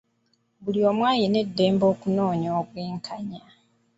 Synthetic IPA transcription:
βuliomwaːjine̞dːe̞ːmbo̞ːkuno̞ːɲoːβweːŋkʰaɲa

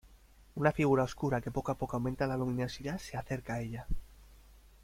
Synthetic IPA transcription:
unafiɣ̞uɾao̞skuɾake̞po̞koapo̞koawmẽ̞nt̪alalumĩne̞siðaseaθe̞ɾkae̞ʎa

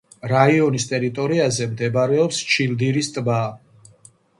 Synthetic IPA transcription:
ɾaiɔnist̪ʼɛɾit̪ʼɔɾiazɛmd̪ɛbaɾɛɔpst͡ʃʰild̪iɾist̪ʼba

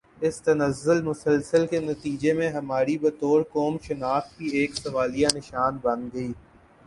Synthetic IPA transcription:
ɪst̪ɐnɐzːʊlmʊsəlsəlkenɐt̪iːd͡ʒemẽɦɐmaːɾibɐt̪oːɾkoːmʃɐnaːxkieːksɐʋaːlijanɪʃaːnbɐ̃nd̪ɡɐiː

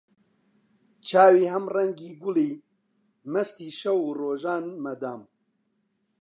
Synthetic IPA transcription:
t͡ʃʰaːwiːhɐmrɐŋɡiːɡʊliː | mɐst̪iːʃɐwuːroːʒaːnmɐd̪aːm

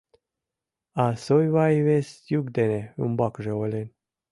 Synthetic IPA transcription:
asojvajvesjuɡd̪eneɨ̰mbakʐeolen

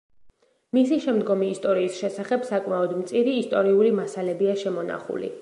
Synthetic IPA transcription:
misiʃɛmd̪ɡɔmiːst̪ʼɔɾiːsʃɛsaχɛb̥sakʼmaɔd̪mt̪sʼiɾiːst̪ʼɔɾiulimasalɛbiaʃɛmɔna̰χṵlḭ

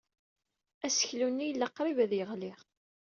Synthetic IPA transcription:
æsə̥çlunːijəlːɑqːɾˤivæðjəʁlɪʁ

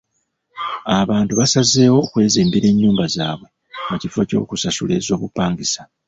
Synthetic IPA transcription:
aβaːntuβasaze̞ːwo̞kwe̞ːzeːmbiɾe̞ɲːuːmbazaːβwe̞ | mucifo̞co̞̰ːkusasṵle̞ːzo̞ːβupːaːŋɡisa

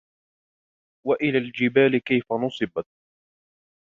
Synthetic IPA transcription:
waʔɪlaːld͡ʒɪbaːlɪkajfanʊsˤɨbat̪̚

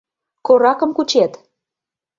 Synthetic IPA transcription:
koɾɑkɤ̆mkut͡ɕet̪

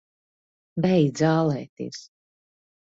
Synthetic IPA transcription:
bɛjd̪zaːlˠɛːt̪ḭːs

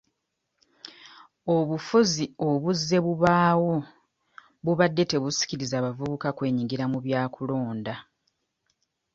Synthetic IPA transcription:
oβufuzioβuzːe̞βuβaːwo̞ | βuβadːe̞te̞βusi̥ciɾizaːβavuβukakwe̞ːɲiŋɡiɾamuβjaːkulo̞ːnda

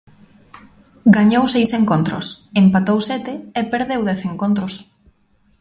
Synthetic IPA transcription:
ɡaɲowsejseŋkont̪ɾo̰sempat̪owsɛt̪ɪepeɾðewðɛθeŋkont̪ɾos

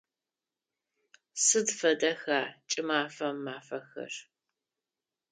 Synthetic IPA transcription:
sɨdfɐdɐxaːt͡ʃʼɪmaːfɐmːaːfɐxɐ̰r

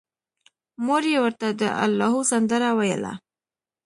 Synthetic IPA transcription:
moɾjewəɾt̪ad̪ə̰ʔa̰lːɑɦusand̪əɾawajə̰la̰

